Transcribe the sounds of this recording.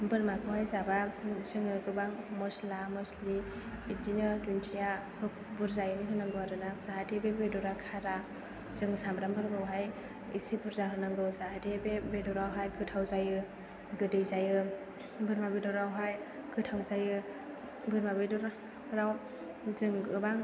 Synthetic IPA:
bɯɾmakʰɯwɦajzabazɯŋɯɡɯbaŋmɔslamɔsli | idinɯtuntʰijahɯk̚ | buɾzajɯniɦɯnɯŋɡɯwaɾɯnazaɦadebebedɔɾakʰaɾa | zɯŋɯsamɾambɯɾɡɯwɦaj | ḭsibuɾzaɦɯnɯŋɡɯwzaɦadʰebebedɔɾawɦajɡɯtʰawzajɯ | ɡɯdɯjzajɯ | bɯɾmabedɔɾawɦaj | ɡ̥ɯtʰawzajɯ | bɯɾmabedɔɾ | ɾaw | zɯŋɡɯbaŋ

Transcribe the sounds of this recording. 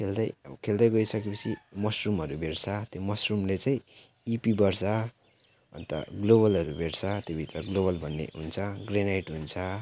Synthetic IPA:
kʰeld̪ʌjkʰeld̪ʌjɡʌisʌkepʌt͡sʰimʌsrumʌɾubʱeɽt͡sʰʌt̪jomʌsrumlet͡saĩ | ipibʌrsʌ | ʌ̰nt̪ʌ̰ɡloβʌlʌɾubʱeɽt͡sʰʌt̪jobʱit̪rʌɡloβʌlbʱʌnːḛɦunt͡sʰʌɡrenajʈɦunt͡sʰʌ

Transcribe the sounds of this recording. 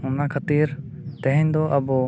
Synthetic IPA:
ʊnakʰət̪iɾ | t̪ɛɦɛ̃ɲd̪ɔʔɐbɔ

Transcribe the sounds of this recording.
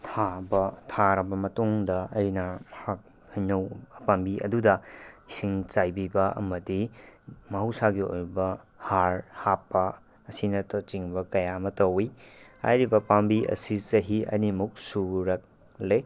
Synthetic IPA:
tʰabɐtʰaɾɐbɐmɐtuŋdɐɐjnɐmɐhak̚ | hijnɐwɐpambiʔɐ̰dudɐisiŋt͡ʃajbibɐɐ̰mɐdimɐɦɐwsaɡio̰jbɐ | haɾhapːɐː | sinɐtot͡ʃiŋbɐkɐjamɐtɐwiha̰jɾibɐpambiɐ̰sizɐɦiɐ̰nimuk̚suɾɐk̚ | le

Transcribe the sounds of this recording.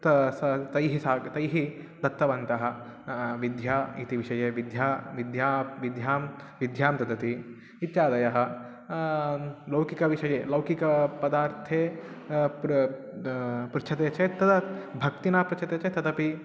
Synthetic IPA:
t̪sɐt̪ɐjɦisaːɡt̪ɐjɦi | d̪ɐt̪ːɐʋɐnt̪ɐɦɐ̆ | ʋid̪ʱjaːit̪iʋiʃɐjeːʋid̪ʱjaːʋid̪jaːʋid̪ʱjaːm | ʋid̪ʱjaːmt̪ɐd̪ɐt̪i | it̪jaːd̪ɐjɐɦɐ̆ | lɐwkikɐʋiʃɐjeːlɐwkikɐpɐd̪aːɾt̪ʰeː | pɾut͡ʃʰɐt̪eːt͡ʃeːt̪ːɐd̪ɐbʱɐkt̪inaːpɾut͡ʃʰɐt̪eːt͡ʃeːt̪ɐd̪ɐpi

